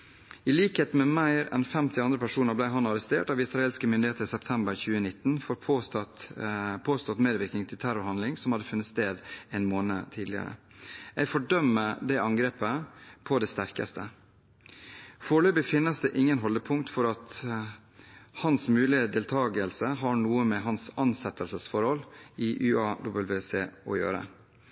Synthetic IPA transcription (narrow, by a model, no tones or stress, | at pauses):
ɪliːkheːt̪mɛmæɪɾɛ̰nfɛmt̪ʰɪɑnd̪ɾəpʰæʂuːnəɾblæɪɦɑnɑɾəst̪ḛːʈɑʋɪsɾɑeːlskəmʏnd̪ɪheːt̪əɾsɛpt̪ʰɛmbəɾçʉːənɪt̪ːn̩foːɾ | pʰoːst̪ɔt̪meːd̪ʋɪɾknɪŋt̪ʰɪlt̪ʰæɾʊɾhɑnd̪lɪŋsɔmhɑd̪ːəfʉnːət̪st̪eːd̪ɛɪnmoːnə̰t̪ʰiːd̪lɪə̰ɾə̰ | æfɔɖœmːəd̪ɛɑŋɡɾeːpəpʰɔd̪ɛst̪æɾkɑ̰st̪ʰə | foːɭøːbəfɪnːəsd̪ɛʔɪŋːənɦɔld̪əpʰʊŋkt̪fɔɾɑt̪ | hɑnsmʉːlɪəd̪eːlt̪ʰɑːɡəlsəɦɑɳuːəmɛɦɑnsɑnsɛt̪ːəlsəsfɔɾhɔliʔʉːɑːd̪ʊbəlʋeseːɔ̰jø̰ːɾə̰